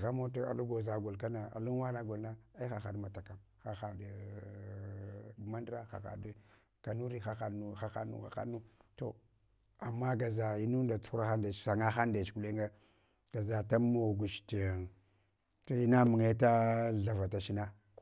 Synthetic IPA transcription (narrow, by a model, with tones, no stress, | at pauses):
ɣa˦mo˦ta˦a̰˨lu˦ɡo˨za˨ɡo˨lka˦na˨a̰˨lu˦wa˦na˦ɡo˨lna˦a˦i˦xa˨xa˨dma˨ta˨ka˨m | xa˨xa˨d | ma˦ndɾa˦xa̰˨xa̰˨d | ka˨nu˦ɾi˦xa˦xa˨nu˦xa˦xa̰˦nṵ˦xa̰˨xa̰˦nu˦to̰˨ | a˨mːa˦ɡa˨za˨i˦nu˦nda˨t͡su̥˦xu˦ɾa˦xa˦nda˨t͡ʃsa˨ŋa˦xa˦nda˨t͡ʃku˨le˦ŋɡa˦ | ɡ̥a˨za˨ta˦mo˨ɡu˨ʃti˨ | to˨i˦na˦mu˨ŋe˦ta˦ɮa˨va˨ta˨ʃi˦na˦